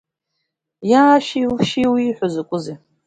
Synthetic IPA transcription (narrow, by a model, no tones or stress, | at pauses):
jaːʃiuʃiwiːħʷozakʷʼʊze